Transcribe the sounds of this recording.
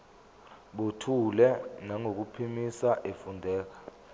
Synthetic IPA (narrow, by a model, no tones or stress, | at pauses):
ɓotʰulɛnaŋʱok̬upʰimisaʔefundʱɛːk̬ḁ